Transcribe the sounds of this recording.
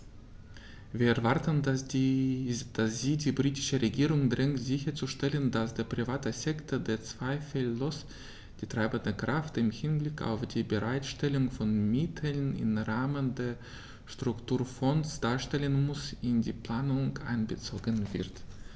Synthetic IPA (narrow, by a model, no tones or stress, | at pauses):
viːɐɛɐvaɐtən | d̥asz̥iːdiːbʁiːtɪ̥ʃəʁeɡiːʁʊŋdʁɪŋtz̥ɪçɐt͡suʃtɛləndasd̥eːɐpʁ̥ivaːtəsɛktʰədeːɐt͡sv̥aɪfəlːos | d̥iːtʁ̥aɪbəndəkʁ̥aftɪmhɪnblɪkʰa̰ʊfd̥iːbəʁaɪtʃtɛlʊŋfɔnmɪtʰlnɪ̰mʁaːməndeːɐ | ʃtʁ̥ʊktʰuːɐfɔnsd̥aːɐʃtɛlənmʊsɪndiːpl̥aːnʊŋʔa̰ɪnbət͡soːɡənvɪɐt